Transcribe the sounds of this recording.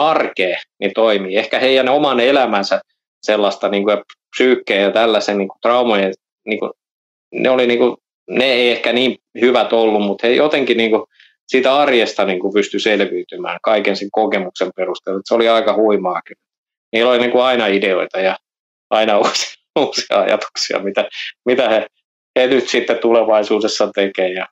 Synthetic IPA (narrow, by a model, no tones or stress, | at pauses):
ɑrkeːnit̪oimiːehkæheijænomɑnelæmænsæ | selːɑst̪ɑniːŋkujɑpsyːkːeːjɑt̪ælːæsenniːŋkut̪rɑumojen | niːŋkṵ | nḛoliniːŋku | neeiehkæniːmhyʋæt̪olːummut̪hejʔot̪eŋkiniːŋku | siːt̪æɑrjest̪ɑniːŋkupyst̪yselʋiːt̪ymæ̰ːŋkɑikenseŋkokemuksemperust̪eluet̪seoliɑikɑhuimɑːkinet̪ | miːlːoliniːŋkuɑinɑideoit̪ɑjɑ | ɑinɑuːsi̥ | uːsiɑ̰ɑ̰jɑ̰t̪u̥ksiɑ̰mit̪æmit̪æhe | henyt̪sit̪ːett̪uleʋɑisuːdesːɑt̪ekeːjɑ